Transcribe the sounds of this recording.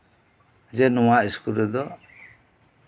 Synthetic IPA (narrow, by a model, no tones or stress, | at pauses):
d͡ʒɛnɔwaiskuɾɛd̪ɔ